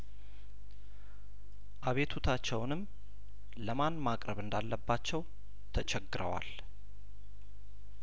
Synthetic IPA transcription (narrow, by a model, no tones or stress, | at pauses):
ʔaβe̞t̪ʰut̪ʰat͡ʃːɛwnɨm | ləmanmakʼɾəβɨnd̪alːəbːat͡ʃːɛw | t̪ʰət͡ʃʰɛɡːɨɾəwa̰l